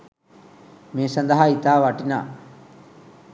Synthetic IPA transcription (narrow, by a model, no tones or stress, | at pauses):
meːsɐnd̪ɐɦait̪aːʋaʈina̰ː